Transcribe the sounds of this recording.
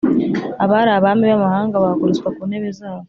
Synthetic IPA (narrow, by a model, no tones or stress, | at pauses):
aβaɾaβamiβamahaːŋɡaβakoɾuskwakuneβezaːwo